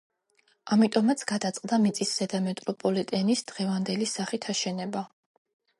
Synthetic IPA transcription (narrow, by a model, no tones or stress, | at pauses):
amit̪ʼɔmat̪sʰɡ̥ad̪at̪sʼqʼd̪amit̪sʼisz̥ɛd̪amɛt̪ʼɾɔpʼɔlit̪ʼɛnisd̪̥ʁɛvand̪ɛlisaχit̪ʰaʃɛnɛba